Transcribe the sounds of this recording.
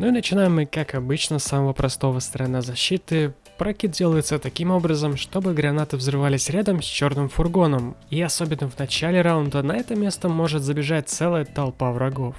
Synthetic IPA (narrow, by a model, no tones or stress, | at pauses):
nuinət͡ɕɪnajɪmːɨkakɐbɨt͡ɕnəsaməvəpɾʔɐst̪o̞vəst̪əɾɐnːazɐɕːit̪ɨ | pɾɐkʲit̪̚dʲe̞lˠəjɪt̪sət̪ɐkʲimo̞bɾəzəmʂt̪o̞bɨɡɾɐnat̪ɨvzrɨvalʲɪsʲɾʲad̪əmsʲt͡ɕo̞rnɨmfʊrɡo̞nəmiɐsobʲɪnːəvnɐt͡ɕælʲɪɾaʊnd̪ənɐɛt̪əmʲe̞st̪əmo̞ʐɨt̪zəbʲɪʐat̚ʲt̪sɛlˠəjət̪ɐlˠpavrɐɡo̞f